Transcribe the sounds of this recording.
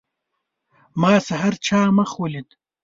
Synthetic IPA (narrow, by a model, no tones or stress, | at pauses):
maːsɐɦɐɾt͡ʃʰaːmɐxwɐlid̪